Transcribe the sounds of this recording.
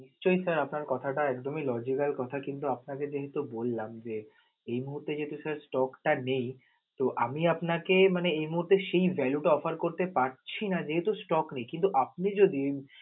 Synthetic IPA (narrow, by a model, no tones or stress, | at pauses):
niʃt͡ɕojsaɾapnaɾkɔt̪ʰaʈaɛkd̪omelɔd͡ʑikalkɔt̪ʰakint̪uapnaked͡ʑeɦet̪ubolːamd͡ʑe | ejmuɦuɾt̪ːed͡ʑeɦet̪usaɾsʈɔkʈanej | t̪oʔamiapnakemaneejmuɦuɾt̪eʃejvʱɛluʈaɔfaɾkoɾt̪epaɾt͡ɕʰinad͡ʑeɦet̪usʈɔknejkint̪uʔap̚nid͡ʑod̪i